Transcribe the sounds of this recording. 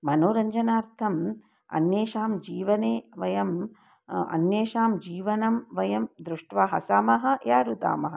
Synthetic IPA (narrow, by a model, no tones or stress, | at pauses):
mɐnoːɾɐɲd͡ʒɐnaːɾt̪ʰɐm | ɐ̰njeːʃaːmd͡ʒiːʋɐneːʋɐjɐm | ɐ̰njeːʃaːmd͡ʒiːʋɐnɐmʋɐjɐmd̪ɾuʂʈʋaːɦɐsaːmɐɦɐ̆jaːɾut̪a̰ːmɐɦɐ